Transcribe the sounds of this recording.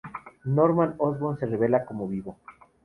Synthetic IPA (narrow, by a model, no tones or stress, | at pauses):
noɾmanozβonse̞reβe̞lako̞moβiβo̞